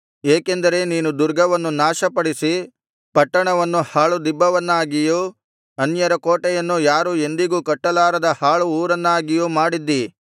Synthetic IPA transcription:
eːkend̪ɐɾe̞niːnud̪uɾɡɐʋɐnːunaːʃɐpɐɽisi | pɐʈːɐɳɐʋɐnːuhaːɭud̪ibːɐʋɐnːaːɡiju | ɐnjɐɾɐkoːʈɛjɐnːujaːɾue̞nd̪iɡuːkɐʈːɐlaːɾɐd̪ɐhaːɭuuːɾɐnːaːɡijuːmaːɽid̪ːi

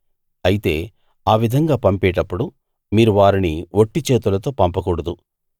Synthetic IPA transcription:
ɐjit̪e̞̰ː | aːʋid̪ʱɐŋɡaːpɐmpeːʈɐpːuɽu | miːɾuʋaːɾiniʋoʈːit͡ʃe̞ːt̪ulɐt̪o̞ːpɐmpɐkuːɽɐd̪u

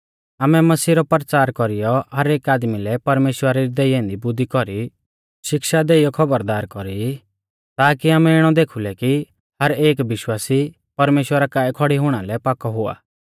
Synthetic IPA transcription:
aːmɛmɐsiːɾɔpɾət͡ʃaːɾkɔɾijɔɦɐɾeːkaːd̪milɛpɐɾmeːʃwəɾaɾid̪eiɛ̃ːnd̪ibʊd̪ʱːikɔɾi | ʃɪkʃad̪eːijɔkʰɐbəɾd̪aːɾkɔɾi | t̪aːkiaːmɛɪɽ̃ɔd̪eːkʰulɛki | hɐɾeːkʋɪʃwaːsi | pɐɾmeːʃwəɾakaːɛkʰɔɽiɦʊɽ̃alɛpaːkɔɦʊa̰ː

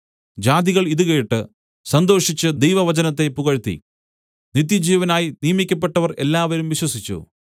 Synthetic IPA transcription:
d͡ʑaːd̪iɣɐɭiðuɣe̞ːʈːɨ | sɐnd̪o̞ːʂit͡ɕːɨd̪ejʋɐʋɐd͡ʑɐnɐt̪ːe̞puɣɐɻt̪ːḭ | nit̪ːjɐd͡ʑiːʋɐnaːjinijɐmikʲːɐp̬ːe̞ʈːɐʋɐre̞lːaːʋɐɾumʋiɕwɐsit͡ɕːṵ

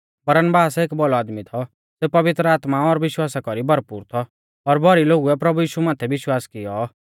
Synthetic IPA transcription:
bɐɾənbaːseːkbɔlɔaːd̪mit̪ʰɔ | seːpɐʋɪt̪ɾəaːt̪maɔɾʋɪʃwaːsakɔɾibʱɐɾpuːɾt̪ʰɔː | ɾbʱɔɾiloːɡuɛpɾɐbujiːʃumaːt̪ʰɛʋɪʃwaːskɪjɔ

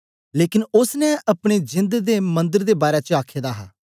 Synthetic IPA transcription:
leːkɪnʊsnɛ̃ʔəpɽ̃ed͡ʒɪ̃nd̪d̪eːmə̃nd̪əɾd̪eːbaːɾet͡ʃəaːkʰːeːd̪aːɦa̰ː

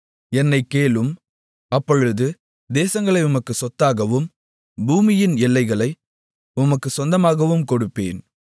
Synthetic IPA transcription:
ɛnːɐɪkːeːɭɯm | ɐpːɔɻɯðɯ | d̪eːsɐŋɡɐɭɐɪʊmɐkːɯsɔt̪ːaːɣɐʋɯm | buːmɪjɪnɛɭːɐɪɣɐɭɐɪ | ʊmɐkːɯsɔnd̪ɐmaːɣɐʋɯmkɔɽɯpːḛːn

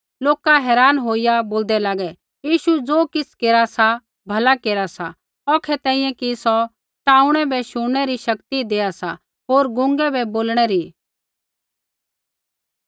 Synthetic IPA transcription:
loːkaɦɛːɾaːnɦoːijaboːld̪ɛlaːɡɛ | jiːʃud͡zoːkɪt͡skeːɾasa | bʱɐlakeːɾasa | ɔːkʰɛt̪ɛ̃ːĩjɛ̃kisɔ | ʈaːʊɽ̃ɛbʱɛʃʊɽɽ̃ɛɾiʃɐkt̪id̪eːasa̰ | ɦoːɾɡʊ̃ŋɡɛbɛboːlɽ̃ɛɾi

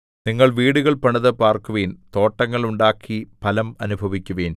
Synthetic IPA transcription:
niŋːɐɭʋiːɽuɣɐɭpɐɳɐðɐpaːrkuʋeːnt̪o̞ːʈːɐŋːɐɭuɳɖaːkʰːipɐlɐmɐnubʱɐʋikʲːuʋeːn

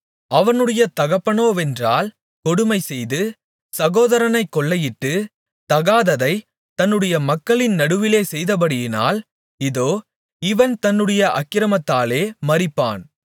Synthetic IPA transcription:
ɐʋɐnɯɽɐjɐt̪ɐɣɐpːɐnoːɛndraːl | kɔɽɯmɐɪsɛjðɯ | sɐɣoːðɐɾɐnɐɪkːɔɭːɐjɪʈːɯ | t̪ɐɣaːðɐðɐɪ | t̪ɐnːɯɽɐjɐmɐkːɐɭɪnnɐɽɯʋɪleːsɛjðɐpɐɽɪjɪna̰ːl | ɪðoː | ɪʋɐnt̪ɐnːɯɽɐjɐʔɐ̰kːɪɾɐmɐt̪ːaːleːmɐɾɪpːa̰ːn

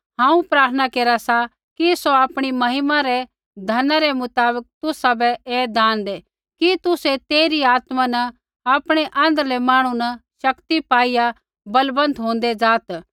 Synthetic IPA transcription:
ɦãːũpɾaːɾt̪ʰnakeːɾasa | kisoaːpɽ̃imɐɦɪmãɾɛ | d̪ʱɐnaɾɛmʊt̪aːbək̚t̪ʊsabɛeːd̪aːnd̪e | kit̪ʊset̪eːɾiaːt̪manɐ | aːpɽ̃eʔãːnd̪əɾlɛmaːɽ̃unɐʃɐkt̪ipaːija | bɐlbə̃nt̪ɦõːnd̪ɛd͡ʒaːt̪

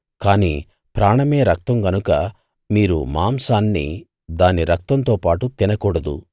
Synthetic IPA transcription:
kaːnḭː | pɾaːɳɐme̞ːɾɐk̚t̪ɐmɡɐnukɐ | miːɾumaːmsaːnːḭ | d̪aːniɾɐk̚t̪ɐnt̪o̞ːpaːʈut̪inɐkɔːɽɐd̪ṵ

